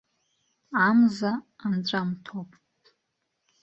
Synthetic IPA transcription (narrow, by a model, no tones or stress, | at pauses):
amzaːmt͡ɕʷʼamtʰopʼ